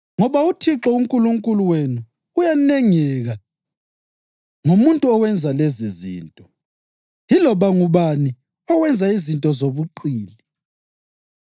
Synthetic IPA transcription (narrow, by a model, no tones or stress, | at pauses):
ŋɔβautʰiǁɔuŋkʼuluŋkʼuluwenuː | janɛŋɛɣa | ŋumuntʼuɔwɛnd͡zʱalezizḭːntʼɔ | ɦilɔβaŋuβani | ɔwɛnd͡zʱaizintʼɔzoβuǃiːli